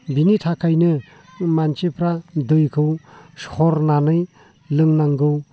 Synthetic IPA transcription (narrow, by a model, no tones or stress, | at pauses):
binitʰakʰajnɯ | mant͡ʃepʰɾadɯjkʰɯwshɔɾnanɯj | lɯŋnaŋɡɯw